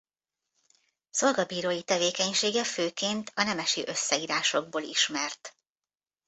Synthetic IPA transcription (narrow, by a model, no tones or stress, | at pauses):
so̞lɡɒbiːɾoːjit̪ɛveːkɛɲʃeːɡɛføːkeːnt̪ʰɒnɛmɛʃiʔø̞sːɛiːɾaːʃo̞ɡ̚boːlḭʃmɛrt̪